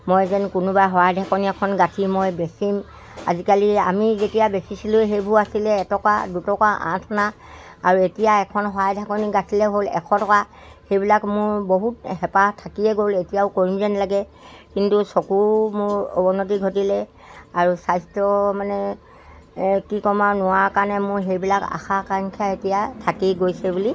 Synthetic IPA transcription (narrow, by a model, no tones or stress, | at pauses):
mojzɛnkʊnʊbaɦɔajdʱakɔniɛkʰɔnɡatʰimojbesim | a̰zikalia̰mizetijabesisilʊjɦejbʱuasilɛːtɔkadutɔkaʔã̰tʰɔna | aɹuetijaɛkʰɔnɦɔajdʱakɔniɡatʰilɛɦolɛ̰kʰɔtɔka | xejbilakmʊɹboɦut̚ɦɛpatʰakiɛɡoletijaʊkoɹinzɛnlaɡɛkintusokuɹmʊɹobɔnot̬iɡʱotilɛ | aɹusajstɹɔmanɛ | kikɔmanʊwaɹkaɹnɛmʊɹɦejbilaka̰xakaŋkʰjaetijatʰakiɡojsɛbuli